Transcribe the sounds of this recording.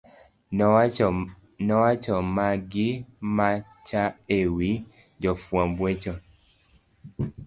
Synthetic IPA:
nɔwat͡ʃɔmaɡima | t͡ʃaewi | d͡ʒɔfuãbwet͡ʃɔ

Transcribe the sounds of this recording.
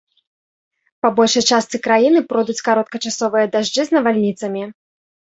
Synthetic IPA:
pabɔlʲʂɐjt͡ʂast̪sɨkɾajinɨpɾɔd̪ut͡sʲkaɾɔt̪kɐt͡ʂasɔvɨjɐd̪aʐd͡ʐɨznɐvalʲnʲit̪sɐmʲi

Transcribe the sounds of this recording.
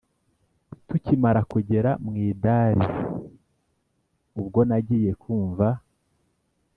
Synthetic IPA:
tucimaɾakuɟe̞ɾamŋiːdaːɾḭ | ubɡo̞naɟiːje̞kʰuːɱva

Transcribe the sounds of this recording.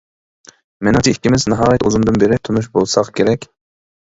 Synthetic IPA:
mɪnɪŋt͡ʃ̪ʰiikʲːimɪznɑɦɑːjɛt̪uzumd̪ɨnbeɾɪt̪ʰunuʃ̬bolˠsɑqkʲʰeɾɛkʲ

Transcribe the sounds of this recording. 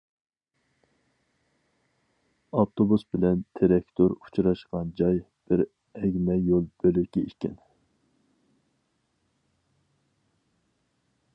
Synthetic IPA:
ɑft̪ʰobusbɪlɛnt̪ʰeɾɛkʲt̪ʰoɾu̥t͡ʃɾɑʃqɑnd͡ʒɑj | b̥ɪɾ | ɛɡʲmɛjolˠb̥ølykʲɛikʲɛ̰n

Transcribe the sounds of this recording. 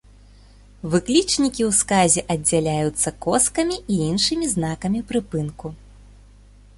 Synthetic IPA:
vɨklʲit͡ʂnʲikʲiwskazʲɛʔɐd͡zʲːalʲajut̪sːɐkɔskɐmʲiʔiinʂɨmʲiznakɐmʲipɾɨpɨnku

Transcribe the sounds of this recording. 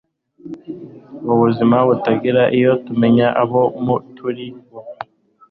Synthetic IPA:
βuβuzimaβutaɡiɾaʔijo̞tume̞ɲaʔaβomutʰuɾiβo

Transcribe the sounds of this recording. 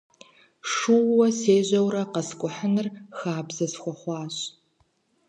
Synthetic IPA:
ʂuwːɐseːʑʷɐwɾɐqɐskʷʼʊħənɨrxaːbzɐsxʷɔχʷɑːɕ

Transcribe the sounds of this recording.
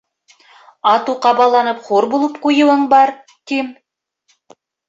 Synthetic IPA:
ɑt̪uqɑbɑlˠɑnɤpχuɾbulˠɤp̚qujɤ̆wɤɴbɑɾ | t̪im

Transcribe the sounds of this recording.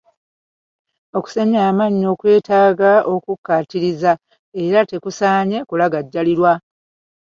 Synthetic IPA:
o̞ku̥seɲaːmaɲːo̞ːkwe̞ːtaːɡao̞kukːatiɾiza | e̞ɾate̞kusaːɲe̞kulaɡaɟːaliɾwa

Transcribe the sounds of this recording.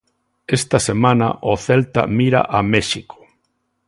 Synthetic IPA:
est̪asemãna̰ʔoθelt̪a̰miɾa̰ʔameʃiko̥

